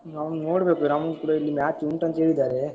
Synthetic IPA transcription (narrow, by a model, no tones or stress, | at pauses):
ɐʋɐnoːɽɐbeːkunɐmɐkuːɽailːimaːt͡ʃːuɳʈɐnd̪eɾid̪aːɾe